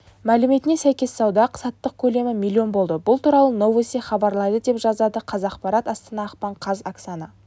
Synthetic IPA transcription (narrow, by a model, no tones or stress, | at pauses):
mælɪme̞t̪ɪne̞sæjkʲe̞sːɑwd̪ɑqʰsɑt̪ːəq̚kʲʰɵle̞mɪmʲilʲːio̞nbo̞lˠd̪əbʊlˠt̪ʰuɾɑlˠəno̞vesiχɑbɑɾlˠɑd̪əd̪e̞pʒɑzɑd̪əqʰɑzɑqpɑɾɑt̪ɑst̪ənɑːqpɑɴqʰɑzaksanə